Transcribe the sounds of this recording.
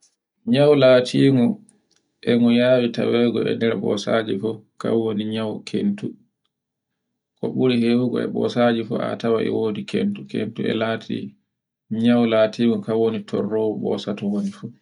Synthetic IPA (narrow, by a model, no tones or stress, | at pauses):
ɲawlaːtʰiːŋɔ | ʔɛŋɔjaːwitawɛɡɔɛ̰ndɛɾbɔsad͡ʒifɔka̰wːoniɲawkʰentu | kɔɓuɾihewuɡɔɛ̰ɓɔ̰sad͡ʒifɔ̰a̰tawaʔɛ̰woːdikʰḛntukḛntuɛ̰laːtʰḭ | ɲawlaːtʰiːŋɔkawwonitʰɔrːɔwɔɓɔ̰satɔwonifu